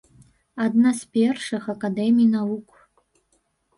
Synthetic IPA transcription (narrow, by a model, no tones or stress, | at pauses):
ad̪naspʲerʂɨxakad̪emʲijnavukʷʰʼ